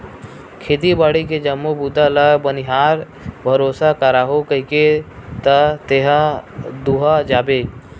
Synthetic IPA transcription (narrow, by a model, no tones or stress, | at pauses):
kʰeːt̪̬ibaːɽik̬ed͡ʒəmːobud̪ʱalabəniɦaːɾ | bʱəɾoːsakəɾaːɦokəiket̪ət̪eɦãd̪uɦad͡ʒaːbeː